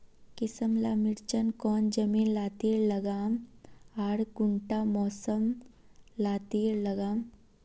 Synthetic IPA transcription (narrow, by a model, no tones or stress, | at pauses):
kɪsəmlaːmɪɾt͡ʃənkɔːnd͡ʒɐmiːnlaːt̪iːɾlɐɡaːmaːɽɡʊɳʈamɔːsəm | laːt̪iːɾlɐɡaːm